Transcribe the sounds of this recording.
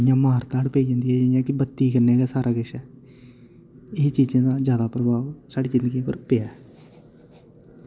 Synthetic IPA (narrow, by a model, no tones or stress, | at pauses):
jãːmaːɾt̪aːɽpeːid͡ʒãːnd̪iːɛːd͡ʒejãːkɪbət̪ːiːkəɾneːɡaːsaːɾaːɡɪʃɛː | ɪt͡ʃiːd͡ʒẽːd̪aːzjaːd̪aːpɾəbaːʋsaːɽiːd͡ʒɪ̃nd̪əɡĩpə̰ɾpeaː